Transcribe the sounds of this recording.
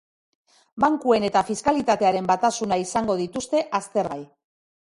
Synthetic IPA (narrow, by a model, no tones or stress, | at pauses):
baŋkue̞ne̞t̪afiskalit̪at̪e̞aɾe̞mbat̪asunaisaŋɡo̞ðit̪ust̪e̞ʔast̪e̞ɾɣaj